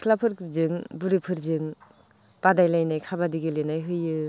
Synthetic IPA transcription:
kʰlapʰɯɾkʰzɯŋbuɾipʰɯɾzɯŋ | b̥adajlajnajkʰabadiɡilenajɦɯjɯ

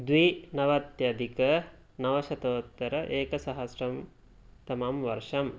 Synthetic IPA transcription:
d̪ʋinɐʋɐt̪jɐd̪ikə | nɐʋɐʃɐt̪oːt̪ːəɾəʔeːkəsaɦɐsrɐm | t̪ɐmamʋɐɾʂɐm

